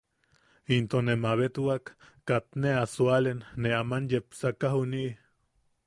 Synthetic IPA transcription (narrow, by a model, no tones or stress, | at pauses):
int̪onemaβet̪wakː | at̪neasualenːeamanjepsakaɦuniʔ